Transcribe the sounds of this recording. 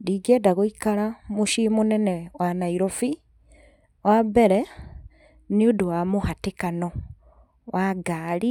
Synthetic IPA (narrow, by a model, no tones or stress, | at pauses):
diɡɛdaɣoikaɾamuʃimonɛnɛwanaiɾɔfi | wʔabɛɾɛ | nioduwamohatekanɔ | wʔaɡaːli